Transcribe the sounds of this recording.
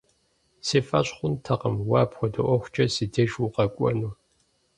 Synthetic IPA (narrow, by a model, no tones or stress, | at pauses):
seːfɐɕχʷʊntʰɐqəmwɑːpxʷɔdɐʔʷɔxʷt͡ʃʼɐsɨdʰeːʒwʊqʼɐkʷʼɔ̰nu